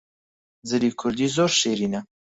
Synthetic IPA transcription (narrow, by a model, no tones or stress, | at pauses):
zɨliːkʰʊɾd̪iːzoːɾʃeːɾiːnɛ